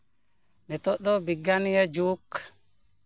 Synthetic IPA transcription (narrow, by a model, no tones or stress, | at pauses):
nɛtɔɗɔbiɡːanjad͡ʒuːk